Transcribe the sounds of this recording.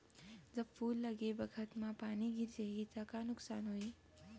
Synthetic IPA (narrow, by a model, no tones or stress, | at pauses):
d͡ʒɐbfʰuːlːɐɡebɐkʰət̪mãpaːniɡɪɾd͡ʒeɡit̪akanʊksaːnɦoːiː